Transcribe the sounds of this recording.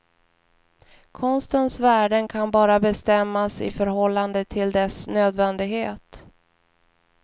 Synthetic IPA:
kʰɔnst̪ənsvæːɖənkʰanbɑːɾabɛst̪ɛmːasɪ̰fœɾɦɔlːand̪ət̪ʰɪld̪ɛsnøːd̪vɛnd̪ɪɡheːt̪

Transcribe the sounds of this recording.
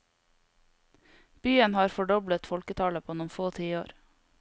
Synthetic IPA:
b̥yːənhɑːɾfɔɖɔblət̪fɔlkət̪ʰɑːləpʰoːʉnʊmfoːt̪ʰiːo̰ːɾ

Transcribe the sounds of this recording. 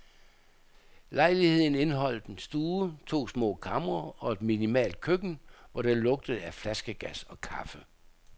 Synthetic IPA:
lɑ̈ɪlihe̝ð̰ˠn̩e̝nɦɒ̽l̰d̥ensd̥uːt͡sʰo̝̰ːsmɔ̰ːkʰɑmʁɐɒ̽e̝d̥minimɛ̰ːld̥̚kʰøɡ̥n̩ʋɒd̥elɔ̽ɡ̥̚d̥əð̩ˠæflæsɡ̥əɡ̥æsɒ̽kʰɑ̈fə

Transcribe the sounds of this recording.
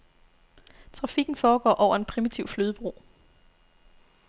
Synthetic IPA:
t͡sʰʁɑ̈fiɡ̥n̩fɒːɡ̥ɒ̰ːʔɒʊɐe̝npʰʁimit͡sʰiʊfløːð̞ˠb̥ʁo̝̰ː

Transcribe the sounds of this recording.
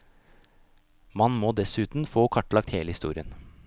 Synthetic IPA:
mɑnmoːd̪ɛsʉːt̪n̩foːkʰɑʈːlɑkt̪heːləhɪst̪ṵːɾɪən

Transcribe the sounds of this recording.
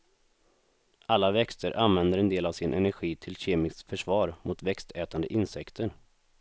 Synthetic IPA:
ʔalːavɛkst̪əɾʔanvɛnd̪əɾɛnd̪eːlavsɪnʔɛ̰næɾɧiːt̪ʰɪlɕeːmɪskfœʂvɑːɾmʔʊt̪vɛkst̪ʰɛːt̪and̪ə̰ʔɪnsɛkt̪ʰəɾ

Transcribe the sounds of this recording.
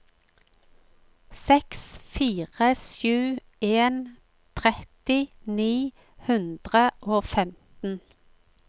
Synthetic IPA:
sɛksfiːʁəsjʉː | eːn | t̪ʰʁɛt̪ɪniː | hʉnd̪ʁəʔoːfɛmt̪n̩

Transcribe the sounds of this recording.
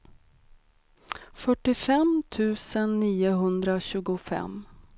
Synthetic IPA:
fœʈːɪfɛmt̪ʰʉ̟ːsənːiːʊɦɵnd̪ɾaɕʉ̟ːɡʊfɛ̰m

